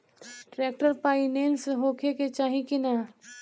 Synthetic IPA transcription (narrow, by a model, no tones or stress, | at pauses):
ʈɾeːk̚ʈəɾpaːineːnsɦoːkʰeket͡ʃaːɦĩkina